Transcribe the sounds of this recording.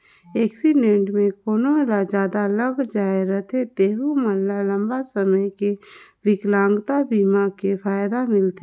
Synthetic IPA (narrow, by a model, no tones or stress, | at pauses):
eːksiɖẽɳʈmẽkoːnolad͡ʒaːd̪aləɡd͡ʒaːeɾət̪ʰet̪eːɦuməlːalə̃mbasəməjkeʋɪklãːŋɡt̪abiːmakefʰaːjd̪amɪlt̪e